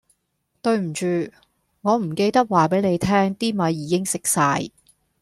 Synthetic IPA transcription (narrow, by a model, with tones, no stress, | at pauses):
t̪ɵ˧ɥm̩˨˩t͡ʃyː˨ | ŋɔː˨˧m̩˨˩ke˧jt̪ɐ˥k̚waː˨˩pe˨˥jne˨˧jt̪ʰɛː˥ŋt̪iː˥mɐ˨˧jːiː˨˧kɪ˥ŋsɪ˨k̚saː˧j